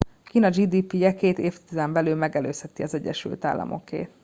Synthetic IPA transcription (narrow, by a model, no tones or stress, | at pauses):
kiːnɒd͡ʒiːd̪iːpijɛkeːt̪eːft̪izɛmbɛlyːlmɛɡɛløːshɛt̪iɒzɛɟːɛ̰ʃy̰lt̪a̰ːlːɒ̰mo̞̰kḛːt̪